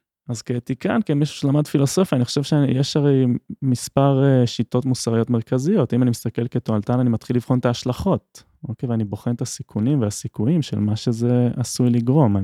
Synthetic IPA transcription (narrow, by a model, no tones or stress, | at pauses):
azket̪ika̰nkemiʃu̥ʃelamad̪filo̞so̞fjaniχoʃe̞vʃeajeʃaʁe̞jmispaʁeʃit̪o̞tmusaʁijotmeʁkazijo̞timanimist̪ake̞lketoalt̪ananimat̪χilːivχo̞nt̪aːʃlaχo̞t̚ | o̞kejveanibo̞χent̪asikʰunimveasikujimʃḛlmaʃeze̞asujliɡʁo̞ma